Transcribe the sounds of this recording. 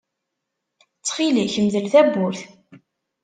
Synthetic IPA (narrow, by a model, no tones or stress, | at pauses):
t͡sːχiliçmðəlθæbːʊɾθ